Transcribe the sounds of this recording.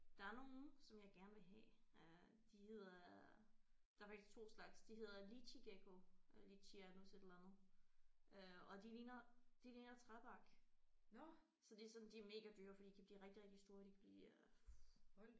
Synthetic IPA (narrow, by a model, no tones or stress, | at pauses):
d̥ɑ̈æɐno̝ːn̩sɒ̽mjɑ̈ɪɡ̥æɐnʋe̝ɦɛ̰ø | d̥ihe̝ð̞̰ˠɐ | d̥ɑ̈fɑ̈ɡ̥isɡ̥̚t͡sʰo̝̰ːslɑ̈ɡ̥sd̥iɦe̝ð̞ˠɐliɕiɡ̥eɡ̥ʰo̝ʔliɕʰiænusedelænð̩ˠʔøɒ̽d̥iliːnɐd̥iliːnɐt͡sʰʁaðˠb̥ɑ̈ɡ̥ | sɒ̽d̥iæsɒ̽nd̥iæɐme̝ːɡ̥æd̥yːɐfd̥ḭːd̥ikʰæbliːʁeɡ̥̚d̥iʁeɡ̥̚d̥isd̥o̝ːɐd̥ikʰæb̥lḭː